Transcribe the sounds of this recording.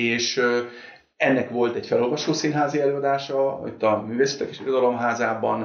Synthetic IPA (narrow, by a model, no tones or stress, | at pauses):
eːʃ | ɛnːɛkʋo̞lt̪ɛɟfɛlolvɒʃoːsinɦaːziɛløːɒd̪aːʃɒ̰it̪ːɒmyːveːsɛ̥t̪ːɛke̥ːʃiɾo̞d̪ɒlo̞mɦaːzaːbɒn